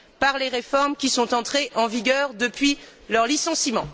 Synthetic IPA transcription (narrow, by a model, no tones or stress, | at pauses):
paʁleʁefɔʁmkʲisɔ̃t̪ɑ̃t̪χeʔɑ̃viɡʲœʁd̪əpɥilœʁlisɑ̃simɑ̃